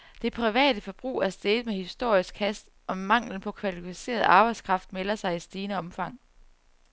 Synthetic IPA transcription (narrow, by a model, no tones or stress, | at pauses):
d̥e̝pʰʁiʋɛ̰ːd̥əfɒ̽b̥ʁṵːæɐsd̥emehisd̥o̝ɐ̰isɡ̥kʰæsd̥ | ʔɒ̽mɑ̈ŋ̰ln̩pʰɒ̽kʰʋælifise̝̰ːɐð̞ˠɑ̈ːb̥ɑ̈ɪ̥skʰʁɑ̈fd̥melɐsɑ̈ɪisd̥iːnəɒ̽mfɑ̈ŋ̰